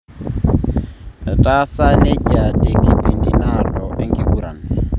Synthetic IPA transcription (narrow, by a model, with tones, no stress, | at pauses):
tʼa˦sa˦ne˦cʼa˨tʼi˦kʼi˦bi˨ndi˨na˦lɔ˨ʔe˦ŋkʼi˦u˦ɾa̰˨n